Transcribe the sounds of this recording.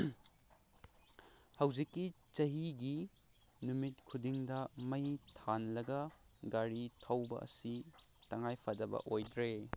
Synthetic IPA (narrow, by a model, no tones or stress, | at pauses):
hɐwzikːi | t͡ʃɐɦiɡi | numit̚kʰudiŋdɐmɐjtʰanlɐɡɐɡaɾitʰɐwbɐ̰ʔɐ̰si | tɐŋajpʰɐdɐbɐ̰ʔojdɾe